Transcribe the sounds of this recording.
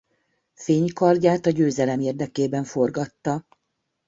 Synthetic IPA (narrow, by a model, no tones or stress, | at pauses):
feːɲkɒrɟaːt̪ɒɟøːzɛlɛmeːrd̪ɛkeːbɛɱfo̞rɡɒt̪ːɒ